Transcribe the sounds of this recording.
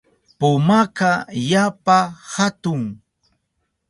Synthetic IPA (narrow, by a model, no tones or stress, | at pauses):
pʊmakajapahat̪ʊŋ